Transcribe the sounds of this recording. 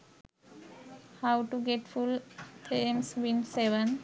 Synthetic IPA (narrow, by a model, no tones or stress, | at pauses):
hawʈuɡeʈfult̪ʰẽmswĩnseʋə̃n